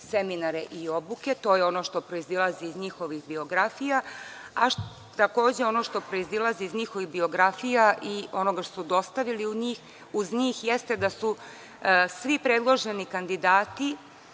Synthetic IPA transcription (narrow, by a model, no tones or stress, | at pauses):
seminaɾeʔio̞buke̞t̪o̞ːjeo̞no̞ʃt̪o̞pɾoizilˠaziːzɲixo̞ʋixbio̞ɡɾafija | aʃ | t̪ako̞ːd͡ʑeo̞no̞ʃt̪o̞pɾo̞izilˠaziizɲixo̞ʋiɣbio̞ɡɾafijaʔio̞no̞ɡaʃt̪osud̪o̞st̪aʋiliuɲiːx | uzɲiːxjest̪e̞d̪asu | sʋipɾed̪lˠo̞ʒenikand̪id̪aːt̪i